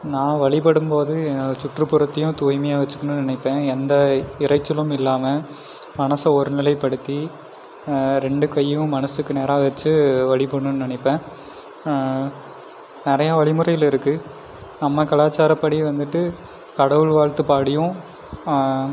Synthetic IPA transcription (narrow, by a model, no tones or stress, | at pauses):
nãːʋɐɭɪp̬ɐɽɯmpoːðɯnt͡ʃʊʈrɯpːɯɾɐt̪ːɐjʊ̃t̪uːɪmɐjaːʋɐt͡ʃːɯkːɐɳɯnnɪnɪpːẽːɛnd̪ɐɪɾɐɪt͡ʃːɪlɯmɪlːaːmɐ | mɐnɐsɐɔɾɯnɪlɐɪpɐɽɯt̪ːi | ɾɛɳɖɯkɐjːʊ̃mɐnɐsɯkːɯneːɾaːʋɐt͡ʃːɯʋɐɭɪpɐɳːɯnːnɪnɪpːẽː | nɪɾɐjɐʋɐɭɪmɯrɐjɪlɪɾɯkːɯ | nɐmːɐkɐlaːt͡ʃːaːɾɐpːɐɽiʋɐnd̪ɯʈːɯ | kɐɽɐʋɯɭʋaːɻt̪ɯpaːɽɪjʊ̃